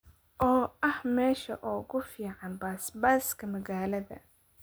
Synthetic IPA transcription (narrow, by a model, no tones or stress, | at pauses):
ʔɔːʔɐhmɛːʃɐʔɔːɣʊfiːʕɑnbaːsbaːskʰɐmɐɣaːlɐðɐ̰